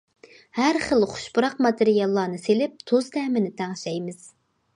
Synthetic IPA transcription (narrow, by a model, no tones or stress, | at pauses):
hæɾχəlˠχʊ̥ʃbuɾɑqmɑt̪ɨɾijɑlˠːɑːnɨselɪp̚t̪ʰozd̪ɛːmɪnɪt̪ʰæŋʃɛjmɪz̥